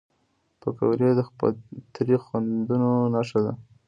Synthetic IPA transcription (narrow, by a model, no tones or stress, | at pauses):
pəkawɾjed̪əa̰t̪ɾixwand̪unonaʃad̪a̰